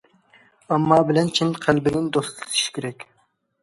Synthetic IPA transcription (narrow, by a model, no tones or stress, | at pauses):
ɑmːɑːbɪlɛnt͡ʃʰinqʰælbɪnɪnd̪ost̪ɨlt̪ʰi̥ʃkʲʰeɾɛkʲ